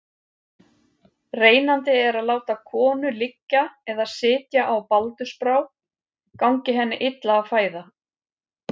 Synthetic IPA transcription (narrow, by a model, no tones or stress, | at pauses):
reːjnant̪ɪɛɾaðlaːwt̪akʰɔːnʏlɪcːaɛðasɪːt̪jaʔawpalt̪ʏspɾaw | kawɲcɪɦɛnːɪ̰ʔɪt̪laːfaːjða